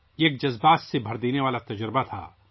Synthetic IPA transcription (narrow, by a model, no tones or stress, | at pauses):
eːk̚d͡ʒɐzbaːt̪sebʱɐɾd̪eːneʋaːlat̪ɐd͡ʒɾɪbat̪ʰa̰ː